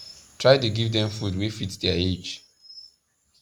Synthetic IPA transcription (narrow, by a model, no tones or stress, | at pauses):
tʰɹaɪt̬uɡivdɛ̃ɱfudwefitdɛed͡ʒ